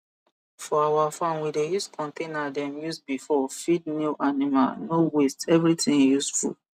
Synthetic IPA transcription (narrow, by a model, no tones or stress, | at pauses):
fɔawafãnwidejuskʰɔ̃ntʰenadɛ̃mjusbifɔfidnuʔanima̰nowestɛvɹitʰĩnjusfṵl